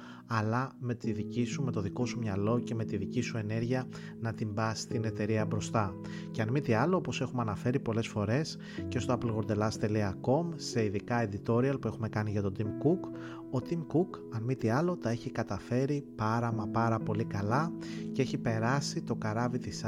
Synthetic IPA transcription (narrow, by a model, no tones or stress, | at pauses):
ɐlɐme̞t̪iðicisume̞t̪o̞ðiko̞sumɲɐlo̞ce̞me̞t̪iðicisue̞ne̞ɾʝiɐ | nɐt̪imbɐst̪ine̞t̪e̞ɾiɐbɾo̞st̪ɐ | ceɐnmit̪iɐloopo̞se̞xumɐnɐfe̞ɾipo̞le̞sfo̞ɾe̞s | ce̞st̪oɐplɣo̞ɾd̪e̞lɐst̪e̞liɐko̞mse̞iðikɐe̞d̪it̪o̞ɾiɐlpue̞xume̞kɐniʝɐt̪o̞d̪imkuk | o̞t̪imkuk | ɐnmit̪iɐlo̞t̪ɐe̞çikɐt̪ɐfe̞ɾipɐɾɐmɐpɐɾɐpo̞likɐlɐceeçipe̞ɾɐsit̪o̞kɐɾɐvit̪is